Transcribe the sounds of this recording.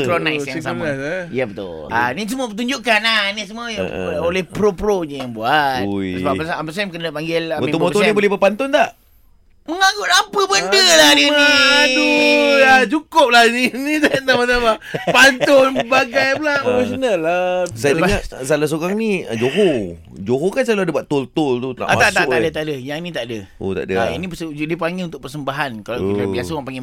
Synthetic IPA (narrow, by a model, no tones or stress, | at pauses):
pɾonajsjaŋsamajəbət̪ʊ̰la̰nisəmuəp̬ət̪uɲd͡ʒuʔkanahnisəmuə̰olɛhpɾopɾoɲəjaŋbuat̪̚səbapəsaampəs̬amkənəpaŋɡɪlakmit̪ummoonibolɛbəpant̪ɔnt̪aʔ | məŋaɡʊʔampəbəndəladind̪uat͡ʃukʊp̚lahinit̪at̪amat̪amapant̪ʊnbaɡajpulaʔpofesonalːasajadəbŋaʔsalas̬uɣaŋniə̰d͡ʒoɦo | d͡ʒoɦokansalodəbaʔt̪olt̪ʊlt̪ut̪na̰ʔamat̪aʔt̪aʔ̪adət̪aʔdəjaŋnĩt̪aʔdəʔo̰t̪a̰ʔdə̰aa̰nipəsədipaŋilunt̪ʊk̚pərsəmbaɦankalakit̪abiasaŋpaŋi